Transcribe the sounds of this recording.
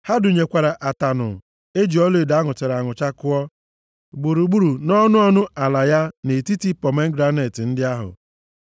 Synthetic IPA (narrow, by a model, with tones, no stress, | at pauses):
ha˦du˨ɲe˨kʷa˨ɾa˨ʔa˨ta˨nʊ̰˨ | e˦d͡ʒi˨˦ɔ˦le˨da˦ŋʊ˨t͡ʃe˨ɾa˨ŋʊ˨t͡ʃa˦kʊ˦ɔ˦ | ɡ͡bu˨ɾu˨ɡ͡bu˦ɾu˨nɔ˦nʊ˦ɔ˦nʊ˦a˨la˨ja˦ne˨ti˦ti˦pɔ˨me˦ŋ̩˦ɡɾa˦ne˨tɪ˨n̩˦dɪ˦a˦ɦʊ̰˨